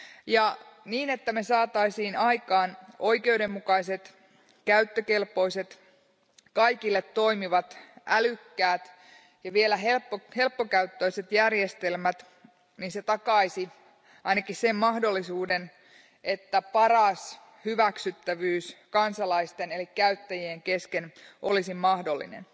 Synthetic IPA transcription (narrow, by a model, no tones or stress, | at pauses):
jɑniːne̞t̪ːæmesɑːt̪ɑisiːnɑjkɑːno̞jke̞wde̞mːukɑise̞t̪ | kæyt̪ːøkelpo̞ise̞t̪ | kɑikilːet̪to̞imiʋɑt̪ʔælykːæːt̪ | jɑʋielæɦelpːohe̞lpːokæyt̪ːo̞ise̞t̪jærjest̪e̞lmæt̪ | ninset̪ɑkɑisi | ʔɑinɑkissemmɑhdo̞lːisuːden | e̞t̪ːæpɑrɑs | hyʋæksyt̪ːæʋyːskɑnsɑlɑist̪ene̞likːæyt̪ːæjieŋke̞skenʔolisimmɑhdo̞lːḭnḛn